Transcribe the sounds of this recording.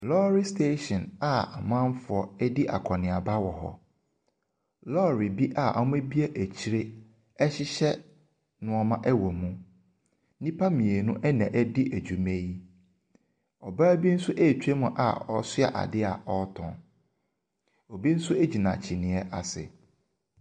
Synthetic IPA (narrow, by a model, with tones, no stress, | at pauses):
lɔː˦ɾi˦stʰe˦ʃɔ̃˨na˨a˨mã˦m˦fʊ˨ɔ˨ɛ˦di˦ʔa̰˨kʰɔ˨nɪ̃˨a˨ba˦wɔ˨ɦɔ̰˦ | lɔː˦˨ɾi˨bi˦ʔa˨ʔa̰˦m˦ẽ˦bi˦ɛ˦ʔæ˨t͡ɕʰi˦ɾe˦ | ɛ˦ɕɪ˦ɕɛ˦ | nʊ̃˨ɔ˨mã˦ʔɛ˦wɔ˨mũ˦ | nĩ˦pʰa˦mĩ˨e˨nʊ̃˦ʔɛ˦nã̰˨ʔæ˦di˦ʔæ˨d͡ʑᶣu˨mẽ˦ji˦ | ɔ˨baː˦bi˦n̩˦sʊ˦ʔe˦˨t͡ɕʰᶣe˦mʊ̃˨ʔa̰˨ɔ˦sʊ˦a̰˨ʔa̰˨dɪ˦a̰˨ɔ˦tʰɔ̰̃˨n | ɔ˨bi˦n̩˦sʊ˦e˦d͡ʑi˨nã˨t͡ɕʰi˨nɪ̃˨ɛ˦ʔa˨sɪ̰˨